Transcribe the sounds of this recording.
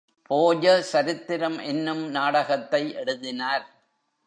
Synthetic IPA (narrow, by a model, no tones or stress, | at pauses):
poːd͡ʒɐsɐɾɪt̪ːɪɾɐmʔɛnːɯmnaːɽɐɣɐt̪ːɐɪʔɛɽɯðɪnaːɾ